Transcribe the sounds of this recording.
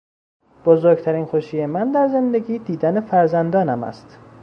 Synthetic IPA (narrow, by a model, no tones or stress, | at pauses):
b̥ozoɾɡ̚t̪ʰæɾiːnxoʃiːjemænd̪æɾze̞nd̪e̞ɟiːd̪iːd̪ænefæɾzænd̪ɒːnæmæ̰st̪